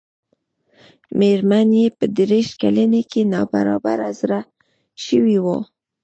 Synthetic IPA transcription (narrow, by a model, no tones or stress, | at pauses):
meɾmanjepəd̪ɾeʃkalənekenɑbaɾɑbaɾazɾa | ʃəwiwo